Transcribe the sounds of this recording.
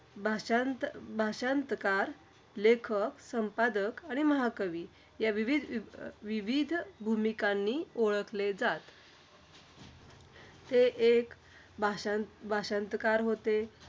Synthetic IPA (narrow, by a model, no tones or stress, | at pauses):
bʱaant̪bʱaɕənt̪kaɾ | lekʰəksəmpad̪əkaɽ̃iməɦakəʋi | jaʋiʋid̪ʱʋiʋid̪ʱbʱumikanːiːoɭəkled͡zat̪ | t̪eʔek | bʱabʱaɕənt̪kaɾɦot̪e